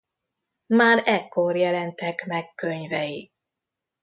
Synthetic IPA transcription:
maːɾɛkːorjɛlɛnt̪ɛkmɛkːøɲvɛji

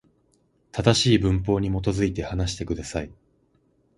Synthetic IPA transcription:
t̪ad̪aɕiːbɯ̟̃mpo̞ːɲ̟imo̞t̪o̞zɨit̪e̞hanaɕi̥t̪e̞kɯ̟d̪asai

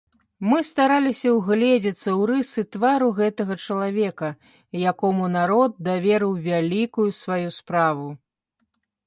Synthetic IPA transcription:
mɨst̪aɾalʲisʲɐwɣlʲɛd͡zʲɐt̪sːɐwɾɨsɨt̪vaɾuɣɛt̪ɐɣɐt͡ʂɐlˠavʲɛkɐ | jakɔmunaɾɔd̪̚ːavʲɛɾɨwvʲalʲikujusvajuspɾavu

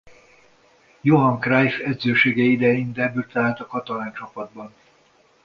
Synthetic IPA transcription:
joɦɒŋkrajfɛd̪zøːʃeːɡɛid̪ɛind̪ɛbyt̪ɛɦaːt̪ɒkɒt̪ɒlaːnt͡ʃɒpɒd̪̚bɒn

